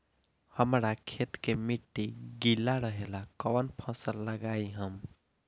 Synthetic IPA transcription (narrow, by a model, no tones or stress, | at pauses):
həmɾakʰet̪kemiʈːiɡilːaɾəɦelakəwənpʰɔ̃səlːəɡaiɦəm